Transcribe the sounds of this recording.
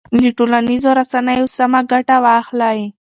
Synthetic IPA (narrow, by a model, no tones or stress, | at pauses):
liʈolanizoɾasanajosamaɡaʈawɑxlaji